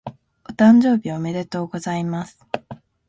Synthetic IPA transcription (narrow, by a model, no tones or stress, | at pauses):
ot̪ãɲ̟d͡ʑo̞ːbʲiome̞ɾe̞t̪o̞ːɡo̞zaimasɨ̥